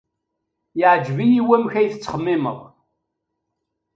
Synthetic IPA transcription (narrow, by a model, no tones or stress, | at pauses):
jɪʕd͡ʒvijiwæmçæjθət͡sːχəmːɪmə̰ʁˤ